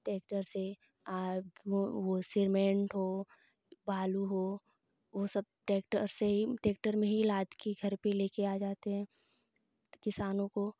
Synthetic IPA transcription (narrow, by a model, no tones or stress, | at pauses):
ʈeːk̚ʈəɾse | aoʋosɪɾmẽːɳʈɦo | baːluɦoː | ʋosɐb̚ʈeːkʈə̰ɾseɦiʈeːk̚ʈəɾmẽɦilaːd̪kiɡʱɐɾpeleːkeaːd͡ʒaːt̪eɦɛ̃ː | kɪsaːnõko